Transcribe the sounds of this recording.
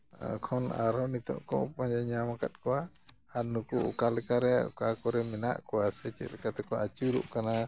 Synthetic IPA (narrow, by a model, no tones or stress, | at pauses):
kʰɔna̰ɾɔnit̪ɔ̰̃ʔkɔ̰paɲd͡ʒaɲamakat̪̚kɔwaː | ɾnukuʔṵkalɛkaɾɛṵkakɔɾɛmɛna̰ʔkɔwasɛt͡ʃɛ̰t̪lɛkat̪ɛkɔʔat͡ʃuɾṵʔkana